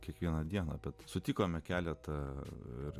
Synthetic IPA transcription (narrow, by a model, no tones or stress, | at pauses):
kʲiɛkʋʲiɛnɐd̪ʲiɛnɐbʲɛt̪sʊt̪ʲiːkoːmʲɛkʲæːlʲɛt̪ɐɪr